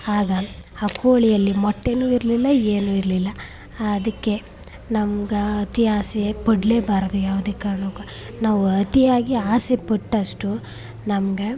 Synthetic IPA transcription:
aːɡɐːkoːɭijɐlːimɔʈːe̞nuːiɾlilːɐeːnuːiɾlilːɐː | d̪ɐkːe̞ | nɐmɡɐɐt̪iaːsepɐɽleːbaːɾɐd̪ujaːʋud̪eːkaːɾɐɳuːkɐ | naːʋuɐt̪iaːɡiaːsepiʈːɐʂʈu | nɐmɡe

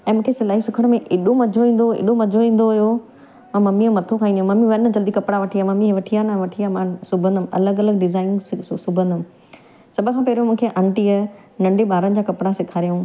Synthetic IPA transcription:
ɛ̃ːmũːkʰesɪlaːɦisʊkʰəɽ̃mẽʔɪɗomɐd͡ʑʱoĩːn̆d̪oḛɗomɐd͡ʑʱoĩːn̆d̪oɦʊjo | mãːmɐmimɐt̪ʰokʰaːĩnd̪j̃mɐmiʋɐnəd͡ʑɐld̪ikɐpɽaʋɐʈʰijaːmɐmiɦʋɐʈʰiaːnaʋɐʈʰiaːmãːsʊbʱə̃nd̪əm̃ɐ̰ləɡɐləɡ̚ɖɪzaːɪnsʊbʱə̃nd̪əm̃ | sɐbʱə̆kʰãːpɛːɾjomũːkʰeʔɐ̃ɳʈiə | nɐ̃ɳɖeɓaːɾənɪ̆d͡ʑaːkɐpɽasɪkʰaːɾijõː

